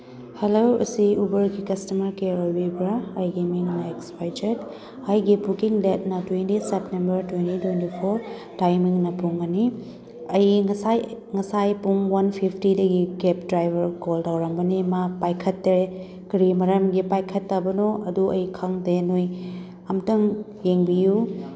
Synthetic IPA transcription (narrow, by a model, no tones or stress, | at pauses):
helowṵsiubɐɾɡikɐstɐmɐɾkeɾojbibɾɐɐjɡimiŋnɐekspajd͡ʒet | ajɡipukiŋlet̚nɐtwentisep̚tembɐɾtwentitwentipʰoɾ | tajmiŋnɐpuŋɐni | ɐjŋɐsajŋɐsajpuŋwɐnpʰipʰtidɐɡikep̚dɾajbʱɐɾkoldawɾɐmbɐnimapajkʰɐtːɐɾe | kɾimɐɾɐmɡipajkʰɐtːɐbɐnoɐduɐjkʰɐŋdenoj | ɐmtɐŋ | jeŋbiju